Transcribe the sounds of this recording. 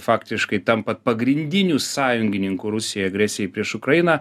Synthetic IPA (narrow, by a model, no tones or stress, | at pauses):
fɑːkt̪ʲɪʃkɐɪt̪ɐmpɐt̪pɐɡɾʲɪnʲd̪ʲɪnʲuːsɑːjʊŋʲɡʲɪnʲɪŋkʊːɾʊsʲɪjojɛɐɡɾʲæsʲɪjɛɪpʲɾʲiɛʃʊkɾɐjɪnɐ